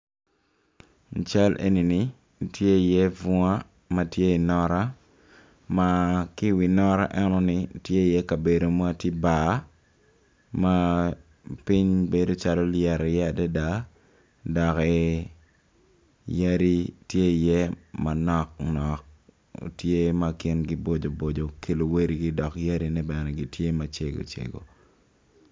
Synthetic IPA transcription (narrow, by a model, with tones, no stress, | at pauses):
n̩˨t͡ʃa˦lʔḛ˨ni˨ni˦˨ | tje˦˨je˦vu˦a˦ | ma˨tje˦i˨nɔ˦ɾa˦ | ma˨ki˦wi˨nɔ˦ɾa̰˦ʔɛ˦nɔ˦ni˦˨tje˦˨jɛ˦ka˨be˨do˨m˦a˦ti˦ba˨˦ | ma˦ | pi˦ɲbe˨do˦t͡ʃa˦lɔ˦ljɛ˨ɾɛ˨jɛ˦a˨dɛ˦da˦ | dɔ˨kɛ˨ | ja˦ɾi˦tje˦˨jɛ˦ma˨nɔ˦k̚nɔ˨k̚ | tje˦ma˦kɪ˦nɡi˦bo˦d͡ʒo˨bo˨d͡ʒo˨ke˨lo˨we˦ɾi˨ɡi˦dɔ˨kja˦ɾi˦nɛ˦bɛ˨nɛɡi˨tje˦mat͡ʃe˦ɡo̰˨t͡ʃḛ˨ɡo̰˨